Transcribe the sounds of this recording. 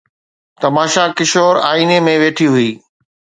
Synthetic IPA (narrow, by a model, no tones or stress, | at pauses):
t̪ɐmaːʃakɪʃoːɾaːiːnemẽʋeːʈʰiɦʊiː